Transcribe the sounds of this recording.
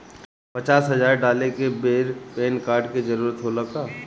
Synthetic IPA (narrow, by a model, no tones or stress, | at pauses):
pɐt͡ʃaːsɦɐd͡ʒaːɾɖaːlekebeːɾpeːnkaːɾɖked͡ʒɐəɾuːɾət̪ɦoləkt̪aː